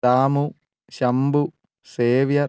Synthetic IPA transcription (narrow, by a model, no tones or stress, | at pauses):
aːmu | ɕɐmbu | seːʋjɐ